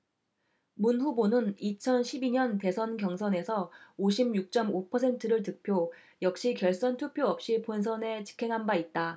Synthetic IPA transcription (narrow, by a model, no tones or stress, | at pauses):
munɸubonɯnit͡ɕʰʌnɕʰibiɲʌnte̞sʰʌnkjʌŋsʰʌne̞sʰʌoɕʰimjuk̚t͡ɕ͈ʌmopʰʌsʰe̞ntʰɯɾɯɭtɯk̚pʰjo | jʌk̚ɕ͈ikjʌɭs͈ʌntʰupʰjoʌp̚ɕ͈ipons̬ʰʌne̞t͡ɕi̥kʰe̞ŋɦanbait̚t͈a